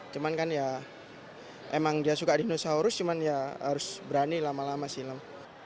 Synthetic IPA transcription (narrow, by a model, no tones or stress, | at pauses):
t͡ʃumankanja | emaŋdiasukadinosauɾʊst͡ʃumanjaɦa̰ɾʊsbəɾanilamalamasiləm